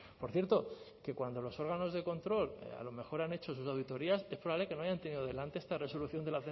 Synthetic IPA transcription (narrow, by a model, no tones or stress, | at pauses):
po̞ɾθjeɾt̪o | ke̞kwand̪o̞lo̞so̞ɾɣano̞zðe̞ko̞nt̪ɾo̞la̰lo̞me̞xo̞ɾane̞t͡ʃo̞s̬usawðit̪o̞ɾiase̞spɾoaβle̞ke̞no̞ajant̪e̞niðoðe̞lant̪e̞est̪are̞so̞luθjo̞nd̪e̞laθe